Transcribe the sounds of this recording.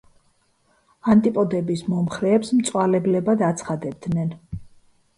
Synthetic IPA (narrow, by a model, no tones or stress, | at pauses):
ant̪ʼipʼɔd̪ɛbismɔmχɾɛːpsmt̪sʼwalɛblɛbad̪at̪sʰχad̪ɛb̚d̪nɛn